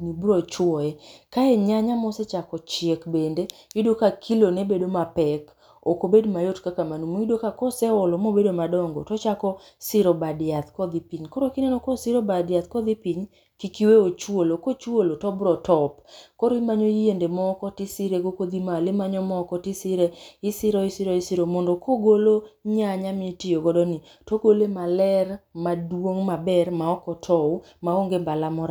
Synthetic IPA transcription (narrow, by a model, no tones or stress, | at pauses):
nibɾɔt͡ʃwɔjɛkaɛɲaɲamɔsɛt͡ʃakɔt͡ʃɪekbendeidokakʰilonebedomapɛk | okobedmajotkakamanumoidokakɔsɛwɔlɔmobedomadɔŋɡɔ̰tɔt͡ʃakɔ | sɪɾɔbadɪat̪kɔd̪ipiɲkɔɾokinɛnɔkɔsɪɾobadɪat̪kɔd̪ipiɲ | kikiweot͡ʃwolokot͡ʃwolotɔbɾɔtɔpkoɾoimaɲoiendemɔkɔtɪsɪɾekokod̪imalɪmaɲɔmɔkɔtɪsɪɾeɪsɪɾɔisɪɾɔisiɾomɔndɔkʰoɡoloɲaɲamitɪjoɡɔdɔni | toɡolemalɛrmadwoŋmabɛrmaɔkɔtʰɔw | maoŋɡembalamɔɾa